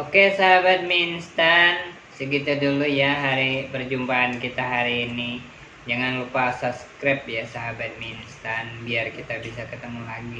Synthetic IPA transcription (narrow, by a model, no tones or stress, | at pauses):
ʔokesaɦabat̪̚minst̪an | səɡit̪udulujaɦaɾipərd͡ʒumpaankit̪aɦaɾiːni | d͡ʒaŋanlupaːsaskɾɛp̚jasaɦabat̪̚minst̪anbiarkit̪abisakət̪əmulaɡi